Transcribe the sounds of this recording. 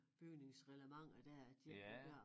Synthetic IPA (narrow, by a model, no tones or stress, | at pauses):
b̥yɡ̥ne̝ŋsʁɛləmɑ̈ŋ̰ɐd̥æɐd̥i̥ɶɐ̰